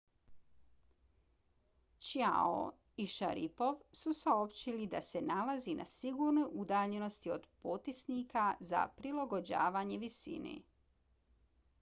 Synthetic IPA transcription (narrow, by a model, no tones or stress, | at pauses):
t͡ʃja̰o̰ | iʃa̰ɾipo̞ʋsusaopt͡ɕilid̪ase̞nalazinʔa̰siɡuːɾnojʔud̪aːʎeno̞st̪io̰d̪pot̪isniːkaza̰pɾilaɡo̞d͡ʑa̰ːʋaːɲe̞ʋisḭnḛ